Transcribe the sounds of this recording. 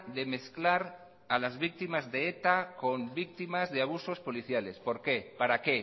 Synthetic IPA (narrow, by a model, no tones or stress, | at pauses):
ðe̞me̞θklaɾ | alazβik̚t̪imazðeet̪ako̞mbik̚t̪imazðeaβ̞uso̞spo̞liθjale̞spo̞ɾke̞paɾake̞